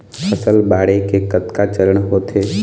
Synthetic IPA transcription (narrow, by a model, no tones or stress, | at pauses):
pəsəlbaːɽekekət̪kat͡ʃəɾəɽ̃ɦoːt̪ʰe